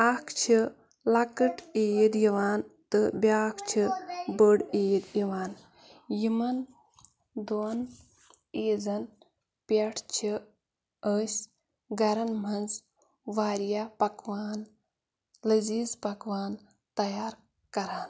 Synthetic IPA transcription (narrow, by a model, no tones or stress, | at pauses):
akʰt͡ʃʰi | lɐkɨʈeːd̪jiʋaːnt̪ɨbʲaːkʰt͡ʃʰibəɽeːjd̪jiʋaːn | jimɐn | d̪on | eːd͡zɐn | pʲɐʈʰt͡ʃʰi | əːsʲ | ɡɐɾɐnmɐnz | ʋaːɾjapɐkʋaːn | ləziːzpɐkʋaːn | t̪ɐjaːɾ | kɐɾaːn